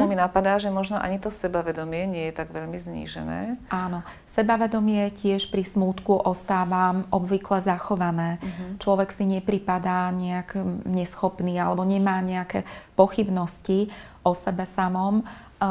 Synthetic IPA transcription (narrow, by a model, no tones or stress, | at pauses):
minapad̪aːʒɛmɔʒnɔʔa̰ɲit̪ɔsɛbaʋɛd̪ɔmɪɛɲɪɛjɛt̪aɡʋɛʎmizɲḭʒɛ̰nɛ̰ːʔaːnɔ | sɛbaʋɛd̪ɔmɪɛcɪɛʃpɾismuːt̪kuʔɔst̪aːʋamʔɔbʋiklɛzaxɔʋanɛːt͡ʃlɔʋɛksiɲɛpɾipad̪aːɲɛaɡɲɛsxɔpniːalɛbɔɲɛmaːɲɛakɛːpɔxibnɔsci | ʔɔsɛbɛsamɔm